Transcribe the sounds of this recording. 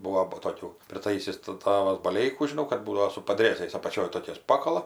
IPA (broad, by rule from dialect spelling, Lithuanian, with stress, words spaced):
ˈbuɔ bʊ toːˈkʲuː pʲrʲɪˈtɐɪsʲɪs tɜ ˈtɑːʋɐs bɐˈlʲɛɪkuː ʒʲɪˈnɐʊ kɐt ˈbuːdɐʋoː sʊ pɐdʲˈrʲeːzɐɪs ɐpɐˈt͡ʃʲoːj toːˈkʲɛɪs ˈpɑːkɐlˠɐ